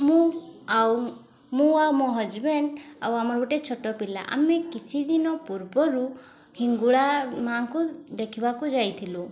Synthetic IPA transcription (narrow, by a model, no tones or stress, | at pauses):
mũaw | mũamɔɦɔd͡ʒbenawamɔɾɔbuʈet͡ʃʰɔʈɔpila̰ʔa̰mekit͡ʃʰid̪inɔpuɾbɔɾu | hiŋɡuɭamaŋkud̪ekʰibakud͡ʒajt̪ʰilu